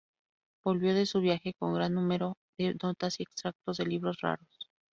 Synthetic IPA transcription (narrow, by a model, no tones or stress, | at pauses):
b̥o̞lβjo̞ðe̞suβjaxe̞ko̞ŋɡɾanːũme̞ɾo̞ðe̞no̞t̪asie̞ksɾak̚t̪o̞zðe̞liβɾo̞sra̰ɾo̞s